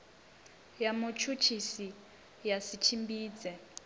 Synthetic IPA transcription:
jamut͡ʃʰut͡ʃʰisi | jasit͡ʃʰimbiːd͡zɛ

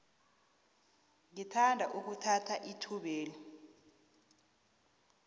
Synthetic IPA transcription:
ŋitʰandʱaʔuk̬utʰatʰaʔitʰuɓeːlɔ

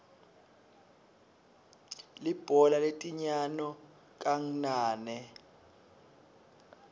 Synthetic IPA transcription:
lib̥ʱɔlaletʼiɲanɔ | k̬ʼaŋ̩naːnɛ

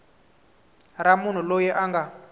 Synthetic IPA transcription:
ɾamun̤ulojɛʔaŋɡa

